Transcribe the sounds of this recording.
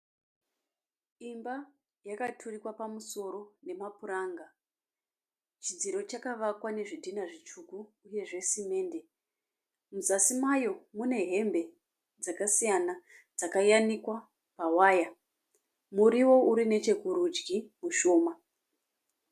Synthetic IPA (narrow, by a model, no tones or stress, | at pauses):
imba | jakatʰurikwapamuso̞ɾo̞ne̞mapuɾaːŋɡa | t͡ʃid͡ziɾo̞t͡ʃakaʋakwane̞ʐidʱinaʐit͡ʃukuːje̞ʐe̞sime̞ːnde̞ | muzasimajo̞mune̞ɦe̞mbe̞ | d͡zakasijana | d͡zakajanikwa | pawaːja | muɾiwo̞uɾine̞t͡ʃe̞kuɾud͡ʒɡimuʃo̞ːma